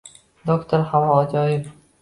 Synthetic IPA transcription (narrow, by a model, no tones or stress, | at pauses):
d̪okt̪ʰoɾhamɒd͡ʒɒjɪp